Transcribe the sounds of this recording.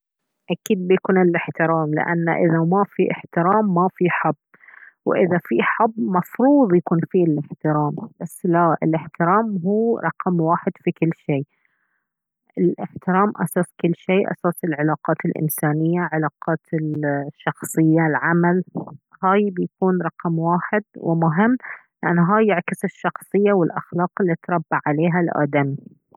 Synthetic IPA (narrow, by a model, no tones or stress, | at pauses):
ʔakiːd̪̚bjakuːnɪlɪħt̪ɪɾaːmlɪ̰ʔa̰nːa̰ʔɪðamafiʔɪħt̪ɪɾaːmːafiħab | wʔɪðafiħabːmɑfɾuːðˤjakuːnfilʔɪħt̪ɪɾaːmb̥asːlaʔɪ̰lʔɪħt̪ɪɾaːmɦuːɾˤɑqmwaːħɪd̪fikɪlːʃeː | ʔɪlʔɪħt̪ɪɾaːmʔa̰saːsˤkɪlːʃeːʔa̰saːsɪlʕalaːqɑːt̪ɪlʔɪ̰nsaːnɪjːaʕɪlaːqɑːt̪ɪʃːɑxsˤɨjːalʕamalhaːjbɪjakuːnɾˤɑqmwaːħɪd̪̚wɪ̰mʊɦɪmːlɪʔanːɦaːjːaʕkɪsɪʃːɑxsˤɨjːawɪlʔa̰xlɑːqɪlːit̪ɾˤɑbːaʕʕaleːɦalʔa̰ːd̪ami